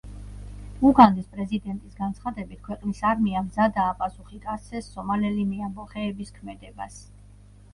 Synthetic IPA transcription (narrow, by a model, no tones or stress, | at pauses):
uɡand̪ispʼɾɛzid̪ɛnt̪ʼisɡant̪sʰχad̪ɛbit̪̚ʰkʰwɛqʼnisaɾmiamzad̪aːpʼasuχik̪ʼatsʰɛsːɔmalɛlimiambɔχɛːbiskʰmɛd̪ɛbas